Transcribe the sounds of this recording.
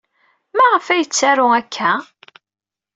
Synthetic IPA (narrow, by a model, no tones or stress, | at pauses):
mæʁəfæjət͡sːæɾʊækʰːæ